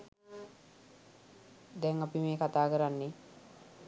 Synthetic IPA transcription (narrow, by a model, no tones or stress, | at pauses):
d̪ɛŋapimeːkat̪aːkəɾanːe